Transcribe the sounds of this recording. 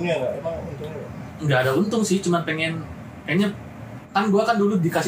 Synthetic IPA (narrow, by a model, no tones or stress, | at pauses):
aɡaemaŋunt̪uŋɲaəŋɡaːdaunt̪ʊŋsɪht͡ʃumanpɛŋɛn | kaɲa | kanɡuakanduludikas